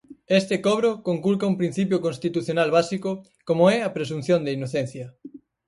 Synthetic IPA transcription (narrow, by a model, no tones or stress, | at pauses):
est̪ekɔβ̞ɾokoŋkulkɐumpɾin̟θipjokonst̪it̪uθjonalβasiko | komoɛɐpɾesun̟θjõnd̪einoθen̟θjɐ